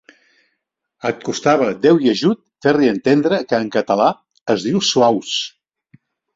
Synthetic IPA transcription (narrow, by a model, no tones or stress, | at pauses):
ət̪̚kust̪aβəd̪ɛwjəʒut̪̚ferliənt̪end̪ɾəkəːŋkət̪əla | əzðiwsuaws